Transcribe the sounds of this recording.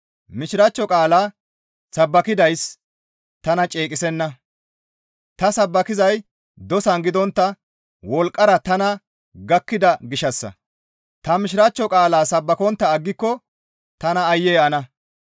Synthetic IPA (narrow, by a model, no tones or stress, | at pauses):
mɪʃɪɾɐt͡ʃːɔkʼaːlaː | sɐbːɐkɪd̪ɐjs | t̪ɐnɐt͡ʃʼeːkʼɪsɛnːɐ | t̪ɐsɐbːɐkɪzɐj | d̪ɔsɐnɡɪd̪ɔnt̪ːɐ | wɔlkʼːɐɾɐt̪ɐnɐ | ɡɐkːɪd̪ɐɡɪʃɐsːɐ̰ | t̪ɐmɪʃɪɾɐt͡ʃːɔkʼaːlaːsɐbːɐkɔnt̪ːɐːɡːɪkːɔ | t̪ɐnɐːjːɛjɛɐnɐ